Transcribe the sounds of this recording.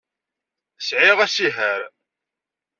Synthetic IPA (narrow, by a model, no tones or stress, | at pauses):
sʕɪʁæsiɦæɾ